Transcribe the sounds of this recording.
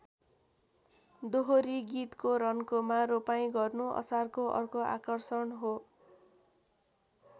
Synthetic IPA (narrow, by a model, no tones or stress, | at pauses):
d̪oɦoɾiɡit̪koɾʌnkomaɾopaj̃ɡʌrnuʌ̰sarkoʔʌ̰rkoa̰kʌrsʌnɦo